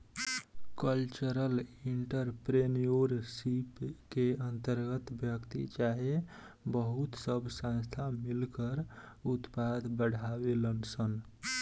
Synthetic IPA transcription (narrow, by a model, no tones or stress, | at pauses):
kəlt͡ʃəɾəliɳʈəɾpɾenijoɾsipkeənt̪əɾɡət̪bʱjəkt̪ḭt͡ʃaɦe | bəɦut̪səbʱsãnst̪ʰamilkəɾut̪pad̪ʱbəɽ̤ʱabelənsən